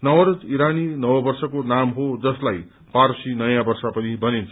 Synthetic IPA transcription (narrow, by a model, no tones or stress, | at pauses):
nʌwʌɾod͡ziɾaninʌwʌbʌrsʌkonamɦod͡zʌslaj | paɾsinʌjãbʌrsapʌnibʌnint͡sʰʌ